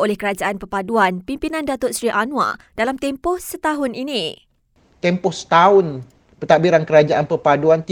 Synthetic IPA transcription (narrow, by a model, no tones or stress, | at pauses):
olɛhkəɾad͡ʒaʔanpərpaduanpimpinãndat̪ʊt̪̚sɾiʔanũa̰d̥alamt̪ɛmpɔhsət̪aɦʊninĩ | t̪ɛmpɔhsə̥t̪aʊn | pət̪abiɾankəɾad͡ʒaʔanpəpaduant̪i